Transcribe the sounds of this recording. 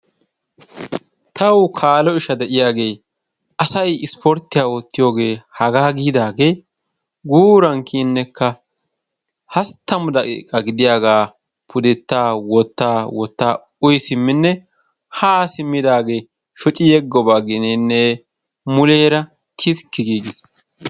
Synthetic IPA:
t̪ʰɐwkʰaːlɔɪʃɐd̪ɛʔɪjaːɡe̞ː | ʔɐsɐjɪspɔɾt̪ːɪjaːwɔt̪ːɪjo̞ːɡe̞ːhɐɡaːɡiːd̪aːɡe̞ː | ɡuːɾɐŋkʰinːɛkʰːɐ | hɐst̪ːɐmʊd̪ɐkḭkʼːɐɡɪd̪ɪjaːɡaː | pʰʊd̪ɛt̪ːaːwɔt̪ːaːwɔt̪ːaː | ʊjsɪmːɪnːɛ | haːsɪmːɪd̪aːɡe̞ː | ʃɔt͡ʃʼɪjɛɡɔbaːɡɪnɛnːɛ | mʊleːɾɐ | t̪ʰɪskːɪɡiːɡɪs

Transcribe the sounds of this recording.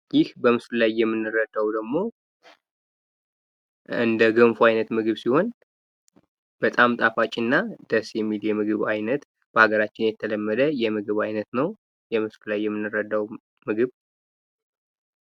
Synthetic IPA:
jɪhbəmɨslɨlajːɛmːɨnːɨrəd̪ːawd̪əɡmo̞ | ɨ̰nd̪əɡəɱfuajnət̪mɨɡɨβsiho̞n | b̥ət̪ʼamt̪ʼafat͡ʃʼinːad̪̥əsjɛmːiljɛmɨɡɨβajnət̪ | b̥əhaɡəɾat͡ʃːɪnjɛt̪ʰələmːəd̪əjɛmɨɡɨβajnət̪nəw | jɛmɨslulajːɛmːɨnːɨɾəd̪aw | mɨɡɨβ

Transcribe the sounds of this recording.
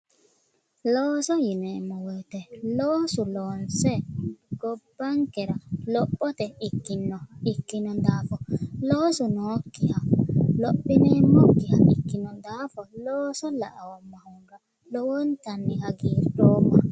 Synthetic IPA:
lɔːsɔjinɛmɔwɛtɛlɔːsulɔnsɛɡ̥ɔbːaŋkɛɾalɔɓːɔtɛikːinɔikːinɔndaːfɔlɔːsunɔːkːihalɔɓinɛmɔkːiha̰ʔḭkːinɔndafɔlɔːsɔla̰ʔa̰wɔmːahuŋɡa | lɔwɔntanːihaɡiːɾdɔːma

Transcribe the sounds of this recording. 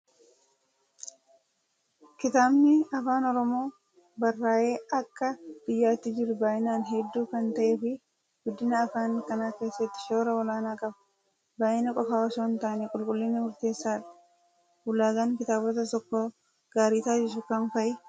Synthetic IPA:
kɪt̪aːbnɪɐfaːnɔɾɔmo̞ː | bɐrːaːʔe̞ːʔɐkːɐb̥ɪjːaːt̪ːɪd͡ʒɪɾʊbaːʔɪnaːnɦɛd̪ːuːkɐnt̪ɐʔeːfɪ | ɡʊd̪ːɪnɐːfaːŋkɐnaːke̞ːsːɛt̪ːɪ̥ʃo̞ːɾɐwɐlaːnaːkʼɐbɐ̥ | baːʔɪnɐkʼɔfaːwɐsoːnt̪aːnɛkʼʊlkʼʊlːɪnːɪmʊɾt̪e̞ːsːaːᶑɐ̥ | wʊlaːɡɐŋkɪt̪aːbɔt̪ɐt̪ɔkːo | ɡ̥aːɾiːt̪aːd͡ʒɪʃ̬ʊkɐnfɐʔɪ

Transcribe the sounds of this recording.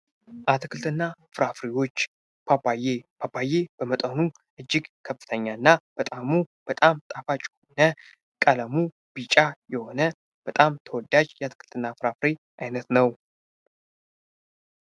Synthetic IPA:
ʔat̪ʰkʰɨlt̪ʰɨnːafɨɾafɾiwo̞t͡ʃː | bajebʰabajeb̥əmət̪ʼənu | ʔɨd͡ʒːɪɡkʰəfːɨ̥t̪ʰəɲːanːab̥ət̪ʼamub̥ət̪ʼamt̪ʼafat͡ʃʼonə | kʼələmu | b̥it͡ʃʼajɛho̞nə | b̥ət̪ʼamt̪ʰəwɔd̪ad͡ʒjɛat̪ʰɨ̥kʰɨlt̪ʰɨnːafɾafɾe | ʔajnət̪nəw

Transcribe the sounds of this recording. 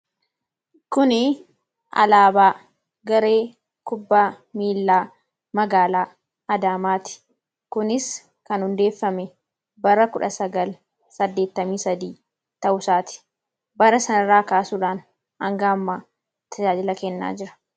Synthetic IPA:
kʊnɪ | ɐ̰laːbaː | ɡɐɾe̞ː | kʊbːaː | miːlːaː | mɐɡaːlaː | ɐd̪aːmaːt̪ɪ̥ | kʊnɪs | kɐnhʊnd̪e̞ːfːɐmɛ | bɐɾɐkʊᶑɐsɐɡɐl | sɐd̪ːe̞ːt̪ːɐmiːsɐd̪iː | t̪ɐʔʊsaːt̪ɪ̥ | bɐɾɐsɐnɐɾaːkaːsuːᶑaːn | hɐŋɡaːmːaː | t̪ʰɐd͡ʒaːd͡ʒɪlɐkɛnːa̰ːd͡ʒɪɾɐ̥

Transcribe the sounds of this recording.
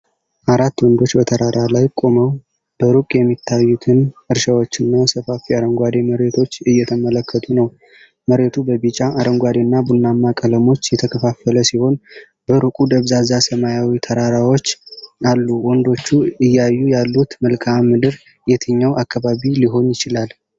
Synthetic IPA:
ʔaɾat̪ːwɔnd̪o̞t͡ʃːbət̪ʰəɾaɾalajkʼo̞məw | b̥əɾukʼjɛmːit̪ʰːajːut̪ʰɨnɨɾʃawo̞t͡ʃːɨnːasəfafiaɾəŋɡʷad̪e̞məɾe̞t̪ʰo̞t͡ʃːɨjːɛt̪ʰəmələkʰːət̪ʰʼunəw | məɾe̞t̪ʰubəβit͡ʃʼaʔaɾəŋɡʷad̪enːabunːamːakʼələmo̞t͡ʃːjɛt̪ʰəkʰəfafələsiho̞n | b̥əɾukʼud̪əβzazasəmajawit̪ʰəɾaɾawot͡ʃːalːuwɔnd̪o̞t͡ʃːuɨjːajːujalːut̪məlkʰammːɨd̪ɨɾ | jɛt̪ʰɨɲːawʔakʰːaβaβiliɦo̞njɪt͡ʃɪlal

